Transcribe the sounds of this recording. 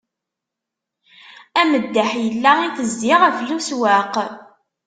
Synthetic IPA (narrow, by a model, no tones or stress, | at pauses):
æməd̪ːæħjəlːæiθəzd̪iʁəfluswæq